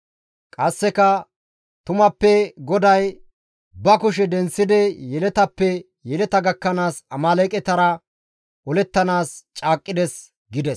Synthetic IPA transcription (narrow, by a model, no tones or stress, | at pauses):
kʼɐsːɛkɐ | t̪ʊmɐpːɛɡɔd̪ɐj | bɐkʊʃɛd̪ɛnsːɪd̪ɛjɛlɛt̪ɐpːɛ | jɛlɛt̪ɐɡɐkːɐnaːsɐmaːlɛkʼɛt̪ɐɾɐ | ʔɔlɛt̪ːɐnaːst͡ʃʼaːkʼːɪd̪ɛs | ɡɪd̪ɛs